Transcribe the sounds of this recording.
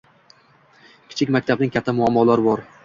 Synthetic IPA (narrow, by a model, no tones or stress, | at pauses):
kʲʰɪ̥t͡ʃʰɪkʲmakʲt̪ʰabnɪŋkʲʰat̪ʰːamʊamːɒlaɾɪbɒɾ